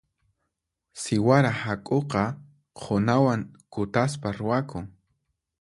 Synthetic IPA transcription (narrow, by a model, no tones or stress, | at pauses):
sɪwaɾahakʼoqɑ | qʰʊnawaŋkʊt̪aspaɾʊwakʊŋ